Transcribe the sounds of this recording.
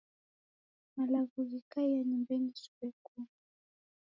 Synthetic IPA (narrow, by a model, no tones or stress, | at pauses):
malaɣuɣikaijaɲimbɛnisu̥bɛku